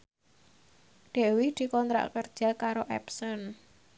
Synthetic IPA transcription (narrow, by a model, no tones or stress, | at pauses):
d̥ɛ̤wɪhd̪̥i̤kɔnt̪ɾa̰kərd̥ʒ̥a̤kaɾoʔɛ̰psɔn